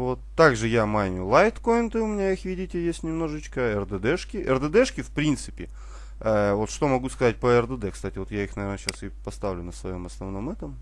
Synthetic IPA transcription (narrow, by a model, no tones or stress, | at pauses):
vo̞t̪ːaɡʐɨjamajmʲʊlˠajt̪kojnt̪ɨʊmʲɪnʲaixvʲidʲɪtʲɪjesʲtʲnʲɪmno̞ʐɨt͡ɕkəɛrd̪ɛd̪ɛʂkʲɪʔɛrd̪əd̪ɛʂkʲɪfpɾʲint̪sɨpʲɪ | əvo̞t̪ʂt̪o̞mɐɡuskɐzat̚ʲpəɛrd̪əd̪ɛkst̪atʲɪvo̞t̪jaixnɐvʲernəɕasɨpɐst̪avlʲʊnəsvɐjo̞mɐsnɐvno̞mɛt̪əm